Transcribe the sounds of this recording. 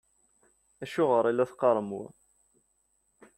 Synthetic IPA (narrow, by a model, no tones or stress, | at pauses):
æʃʊʁəɾˤilːæθqɑɾˤəmʊ̰